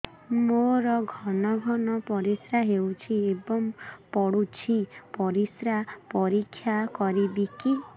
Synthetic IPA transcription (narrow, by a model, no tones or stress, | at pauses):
moɾɔɡʱɔnɔɡʱɔnɔpɔɾisɾaɦewt͡ʃʰiebɔmpɔɽut͡ʃʰipɔɾisɾapɔɾikʰːjakɔɾibiki